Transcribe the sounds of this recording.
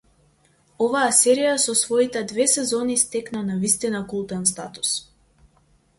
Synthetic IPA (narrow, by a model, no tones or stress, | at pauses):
ɔvaasɛɾijasɔsvɔit̪ɛd̪vɛsɛzɔnist̪ɛknanavist̪inakulˠt̪ɛnst̪at̪u̥s